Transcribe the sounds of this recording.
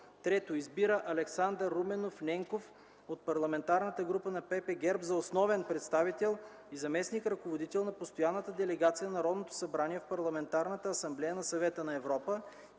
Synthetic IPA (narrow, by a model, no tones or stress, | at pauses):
t̪ɾɛt̪oizbiɾəʔɐlɛksand̪əɾːumɛnofnʲɛŋkof | ot̪̚pɐɾlˠɐmɛnt̪aɾnət̪əɡɾupənɐpɛpɛɡɛɾpzɐosnɔvɛnpɾɛt̪st̪avit̪ɛlˠ | izɐmɛsnikɾɐkovod̪it̪ɛlˠnɐpost̪ojanːət̪əd̪ɛlɛɡat̪sijənɐɾɔd̪not̪o̥sɐbɾaniɛfpɐɾlˠɐmɛnt̪aɾnət̪əɐsɐmblɛjənɐsɐvɛt̪ənɐɛvɾɔpə